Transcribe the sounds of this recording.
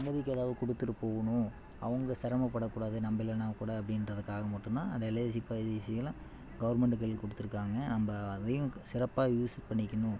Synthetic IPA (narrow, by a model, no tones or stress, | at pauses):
sɐŋɡɐðɪkʲːɛðaːʋðɯkɔɽɯt̪ːɯʈɯpoːɣɐɳʊ̃ | ɐ̰ʋɐŋɡɐsɐɾɐmɐpːɐɽɐkːuːɽaːðɯnɐmbɪlɐnɐmɐkːuːɽaːðɐpːɐɽɪnɾɐðɯkːaːɣɐmɐʈːɯnd̪ãːɐðɐɛlɐs̬ɪpːaisɪjɐla | ɡɐʋɐɾmɛɳɖɯkːɐɭɪlkɔɽɯt̪ːɯɾɯkːaːŋɡɐnɐmbɐːðɐjʊ̃sɪɾɐpːaːjuːspɐɳːɪkʲːɐɳʊ̃